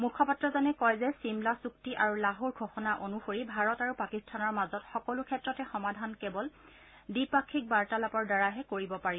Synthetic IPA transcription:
mukʰɔpatɹɔzɔnɛkɔjzɛsimlasuktiʔaɹulaɦuɹɡʱɔxɔnaʔonuxoɹibʱaɹɔtaɹupakistʰanɔɹmazɔtxɔkɔlukʰɛtɹɔtɛxɔmadʱankɛbɔl | dipakʰːik̚baɹtalapɔɹdaɹaɦɛkoɹibɔpaɹi

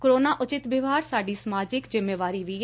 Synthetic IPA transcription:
koɾoːnaːʔʊt͡ʃɪt̪bɪʋaːɾsaːɖiːsəmaːd͡ʒɪkzɪmːeːʋaːɾiːʋiː

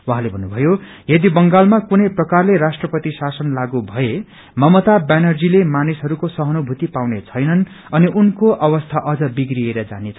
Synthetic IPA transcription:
waɦãlebʱʌnːubʱʌjo | jʌd̪ibʌŋɡalmakunʌjprʌkarlerasʈrʌpʌt̪isasʌnlaɡubʱʌe | mʌmʌt̪abanʌrd͡zilemanisɦʌɾukosʌɦʌnobʱut̪ipawnet͡sʰʌjnʌn | ʌniʔunkoʔʌwʌst̪ʰaʔʌd͡zʌbiɡrieɾʌd͡za̰net͡sʰ

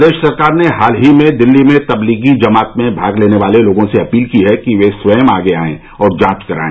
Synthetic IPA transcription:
d̪eːʃsɐɾkaːɾneɦaːlɦimẽd̪ɪlːimẽt̪ɐbliːɡid͡ʒɐmaːt̪mẽbʱaːɡleːneʋaːleloːɡõseɐpiːlkiɦɛkiʋesʋəːmaːɡeaːḛ̃ | ɔːɾd͡ʒãːt͡ʃkɐɾa̰ːẽ

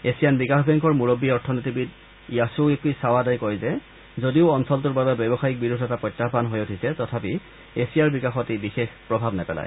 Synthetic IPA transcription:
esijanbikaxbɛŋkɔɹmuɹobːiɔɹtʰɔnitibid | ijasuek̚tusawadajkɔjzɛ | zodiʊɔnsɔltʊɹbabɛbɛbɔxaik̚biɹudʱɛtapɹɔjtːaɦbanɦojotʰisɛtɔtʰapi | esijaɹbikaxɔtibixexpɹɔbʱabnɛpɛla̰j

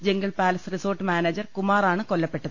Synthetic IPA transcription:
d͡ʑeŋɡɐɭpaːlɐsriso̞ːrʈːɨmaːneːd͡ʑɐrkumaːraːɳɨkolːɐpːe̞ʈːɐðɨɨ

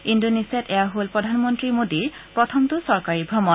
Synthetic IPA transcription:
indonisiɛtɛjaɦolpɹɔdʱanmɔntɹimodipɹɔtʰɔmtʊsɔɹkaɹibʱɹɔmɔn

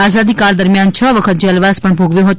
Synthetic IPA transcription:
aːzaːd̪iːkaːɭd̪əɾmjaːnt͡ʃʰəʋəkʰət̪̚d͡ʒəlʋaspəɳbʱoɡʋjoɦot̪

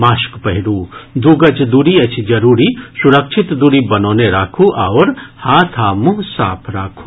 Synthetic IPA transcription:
maːʃkpɐɦɪɽuːd̪uɡɐt͡ʃd̪uːɽiɐt͡ʃʰid͡ʒɐɾuːɾisuɾɐkʃʰit̪d̪uɽibɐnoːneɾaːkʰuʔaʋwɾhaːt̪ʰaːmʊɦsa̰ːpʰɾaːkʰu̥

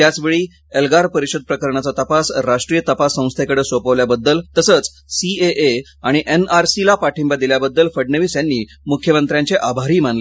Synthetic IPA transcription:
t̪jat͡sʋeɭiː | elɡaɾpəɾiɕəd̪̚pɾəkəɾɳat͡sat̪əpasɾaʂʈɾijət̪əpasːə̃w̃st̪ʰekəɽesopəʋljabəd̪ːəlt̪əsət͡s | sieʔe | aɽ̃iʔenaɾsilapaʈʰimbad̪iljabəd̪ːəlfəɽɳəʋiːsjanːiː | mukʰjəmənt̪ɾjaɲt͡ɕeʔabʱaɾiːmanle

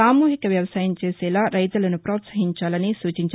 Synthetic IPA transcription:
aːmuːɦikɐʋjɐʋɐsaːjɐmt͡ʃeːsɛːlaːɾɐjt̪ulɐnupɾɔːt̪sɐɦiɲt͡ʃaːlɐnisuːt͡ʃiɲt͡ʃ

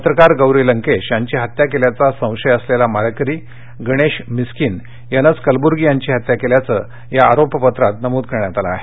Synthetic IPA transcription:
pət̪ɾəkaɾɡəwɾiləŋkeɕjaɲt͡ɕiːɦat̪jakeljat͡sasə̃w̃ʂəjəslelamaɾkɾiː | ɡəɽ̃eɕmiskin | jənət͡skəlbuɾɡijaɲt͡ɕiːɦat̪jakeljat͡sə | jaːɾopəpət̪ɾat̪nəmuːd̪̚kəɾɳjat̪ala̰ːɦe

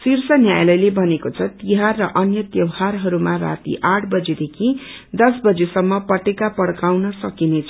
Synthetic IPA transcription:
sirsʌnjajlʌjlebʱʌnekot͡sʰʌt̪iɦarːʌʔʌnjʌt̪jʌwɦarɦʌɾumara̰t̪ḭʔaʈʰbʌd͡zed̪ekʰid̪ʌsbʌd͡zesʌmːʌpʌʈekapʌɽkawnʌsʌkinet͡sʰʌ

